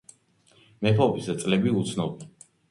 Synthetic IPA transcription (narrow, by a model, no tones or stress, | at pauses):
mɛpʰɔpʰisd̪at̪sʼlɛbiut̪sʰnɔbɛn